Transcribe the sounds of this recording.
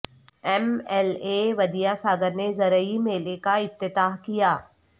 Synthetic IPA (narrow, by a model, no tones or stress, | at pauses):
ɛmɛleʋɐd̪ijasaːɡəɾnezɐɾəimeːlekaɪp̚t̪ɪt̪aːɦkijaː